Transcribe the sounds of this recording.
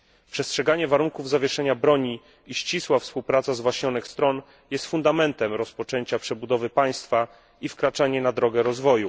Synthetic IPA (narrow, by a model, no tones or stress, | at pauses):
pʂɛstʂɛɡaɲɛvaɾuŋkuvzavʲjɛʂɛɲabɾɔɲi | iɕt͡ɕiswafspuwpɾat̪sazvwaɕɲɔnɘxst̪ɾɔn | jɛst̪fund̪amɛnt̪ɛmɾɔspɔt͡ʂɛɲt͡ɕapʂɛbud̪ɔvɘpaj̃st̪fa | ifkɾat͡ʂaɲɛnad̪ɾɔɡɛɾɔzvɔju